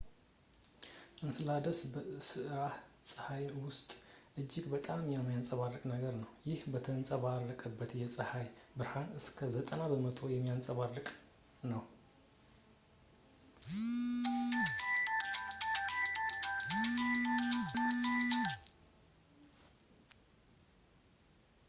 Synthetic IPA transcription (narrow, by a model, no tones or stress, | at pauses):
ʔɨnsɨlad̪əsbəsɨʔɾahsʼɨhajwʊst̪ʼʔɨd͡ʒːɪɡbət̪ʼamjɛmːajansʼəβarːɨkʼnəɡəɾnəwjɪhbət̪ʰənsʼəβarːəkʼəbːət̪jɛsʼɨhajbɨɾhanɨskʰəzət̪ʼənabəmət̪ʰo̞jɛmːijansʼəβarːɨkʼ | nəw